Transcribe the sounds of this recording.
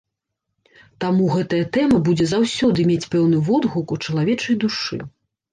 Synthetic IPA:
t̪amuɣɛt̪ɐjɐt̪ɛmɐbud͡zʲɛzawsʲɔd̪ɨmʲet͡sʲpɛwnɨvɔd̪ɣukut͡ʂɐlˠavʲɛt͡ʂɐjd̪uʂɨ̰

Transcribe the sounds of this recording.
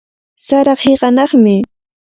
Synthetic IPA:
saɾɑχheɢɑnɑχmɪ

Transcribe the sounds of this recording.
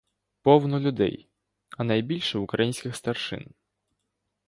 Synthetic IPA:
pɔwnɔlʲʊd̪ɛ̰j | ɐnɐjbʲilʲʃɛwukɾɐjinʲsʲkʲɪxst̪ɐrʂɪ̰n

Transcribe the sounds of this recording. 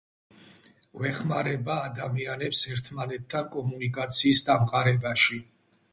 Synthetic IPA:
ɡ̥wɛχmaɾɛbaːd̪amianɛpsɛɾt̪ʰmanɛt̪ʰːankʼɔmunikʼat̪sʰiːsd̪amqʼaɾɛbaʃi

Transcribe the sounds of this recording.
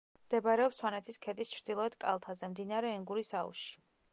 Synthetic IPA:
md̪̥ɛbaɾɛɔpswanɛt̪ʰiskʰɛd̪ist͡ʃʰɾd̪ilˠɔɛd̪kʼa̰lˠt̪ʰazɛmd̪inaɾɛːŋɡuɾisaṵʃi̥

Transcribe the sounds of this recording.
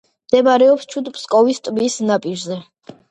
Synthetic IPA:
md̪̥ɛmaɾɛɔpst͡ʃʰud̪pʰskʼɔvist̪ʼbisnapʼiɾzɛ

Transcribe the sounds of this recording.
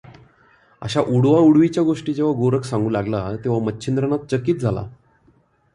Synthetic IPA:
ə̰ɕaʔuɽʋauɽʋit͡ɕjaɡoʂʈiːd͡ʑeʋ̤aɡoɾəksãŋɡuːlaɡlat̪eʋ̤amətːɕʰind̪ɾəɳat̪̚t͡ɕəkiːt̪̚d͡zʱala̰

